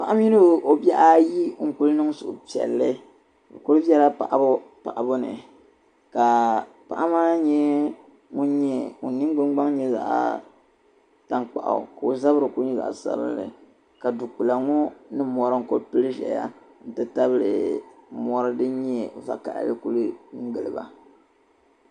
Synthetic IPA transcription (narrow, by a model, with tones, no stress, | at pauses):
pa˦ʔa˦m˦i˦nɨ˦˨o˨bjɛ˦ʔa˦ji˦ŋ̩˨ku˦lnɨ˦ŋ˦sʊ˨ʔʊ˨pi˨ɛ̰˨lːɨ˦ | ŋ̩˨ku˦lbɛ˦la˦pa̰˨ʔa˦bʊ˦ | pa˨ʔa˨bʊ˦nɨ̰˨ | ka˨ | pa̰˦˨ʔa˦maː˦ɲɛ˦ | ŋu˦ɲɛ˦o̰˨ni˦ŋ˦ɡ͡bɨ˦ŋɡ͡ba˦ŋ˦ɲɛ˦za̰˨ʔa̰˦ | ta˦ŋk͡pa̰˨ʔa̰˨ka˨o˨za˦bɨ˦ɾɨ˨ku˦ɲɛ˦za̰˨ʔsa̰˦bɨ̰˦nːɨ̰˨ | ka˨du˨ku˨la˨ŋɔ˦nɨ˦mɔ˨ɾɨ˦ŋ̩˦˨ko˦lpɨ˦lɨ˦ʒɛ̰˨ja̰˦ | n̩˨tɨ˦ta˦βɨ˦lɨ̰˨mɔ˨ɾɨ˦dɨ˦ɲɛ˦va̰˨ka̰˨ʔlɨ˦ku˦lɨ˦ŋŋ̩˦ɡɨ˨lɨ˨ba̰˨